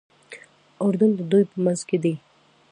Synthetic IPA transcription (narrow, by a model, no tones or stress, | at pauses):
ʊɾd̪ʊnd̪əd̪ujpəmanzked̪i